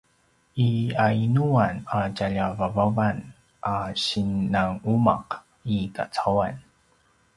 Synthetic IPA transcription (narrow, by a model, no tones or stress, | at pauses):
iainuanacaʎavavavan | ʔaɕinːaŋuma̰q | ika̰t͡sawan